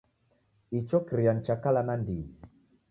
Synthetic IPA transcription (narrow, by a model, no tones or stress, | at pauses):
it͡ʃɔkɾijant͡ʃakalanandi